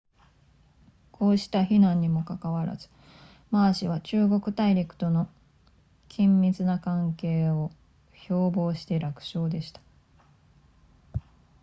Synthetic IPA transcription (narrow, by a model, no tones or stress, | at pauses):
kʰo̞ːɕi̥t̪açinãɲ̟ːimo̞kakaβaɾa̰z̥ɨ̥ | maːɕiβat͡ɕɨːɡo̞kɯ̟̥t̪aiɾʲikɯ̟̥t̪o̞no̞ | kʲʰĩmːʲit͡sɨnakãŋke̞ːo̞ | ço̞ːbo̞ːɕi̥t̪e̞ɾakɯ̟̥ɕo̞ːd̪e̞ɕi̥t̪ḁ